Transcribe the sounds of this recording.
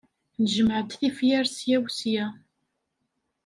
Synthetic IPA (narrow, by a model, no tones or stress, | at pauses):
nəʒəmʕəd̪θifjæɾsjæwsjæ